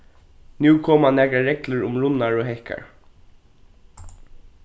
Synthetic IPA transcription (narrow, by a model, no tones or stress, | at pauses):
njuːkʰɔːmhanːæːkɾaɹɛkləɹʊmɹʊnaɹɔɦɛhka̰ɹ